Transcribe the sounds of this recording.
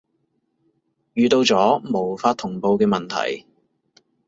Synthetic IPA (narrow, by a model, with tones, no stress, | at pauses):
jyː˨˧t̪o˧wt͡sɔː˨˥mo˨˩wfaː˧t̪ʰʊ˨˩ŋpo˧wkɛː˧mɐ˨nt̪ʰɐ̰˨˩j